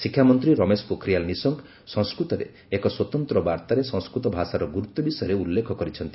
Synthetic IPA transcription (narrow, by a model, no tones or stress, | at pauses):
sikʰjamɔnt̪ɾiɾɔmespukʰɾijalnisɔŋk | sɔ̃ŋskɾut̪ɔɾḛːkɔswɔt̪ɔnt̪ɾɔbaɾt̪aɾesɔ̃ŋskɾut̪ɔbʱasaɾɔɡuɾut̪ːɔbisɔjɔɾeulːekʰɔkɔɾit͡ʃʰɔnt̪i̥